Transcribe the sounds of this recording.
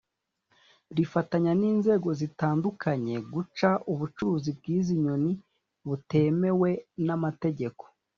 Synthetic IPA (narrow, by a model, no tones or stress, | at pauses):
ɾifataɲaniːnze̞ːɡo̞zitaːndukʰaɲe̞ɡut͡ʃaʔuβut͡ʃuɾuzib̚ɡiːziɲo̞ni | βute̞me̞we̞namate̞ɟe̞ko̞̥